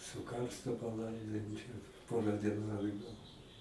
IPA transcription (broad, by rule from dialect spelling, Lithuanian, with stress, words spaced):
sʊ ˈkɐrstʊ pɐˈlˠɐɪdoːjoːm t͡ʃʲɛ ˈpoːrɐ dʲiɛˈnʊ ɐdˈɡɐlˠ